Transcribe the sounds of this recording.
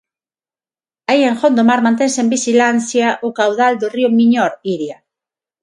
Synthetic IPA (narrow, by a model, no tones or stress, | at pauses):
aieŋxond̪omaɾmãnt̪ensembiʃilan̟θjaʔokawðald̪oriomĩɲoɾiɾja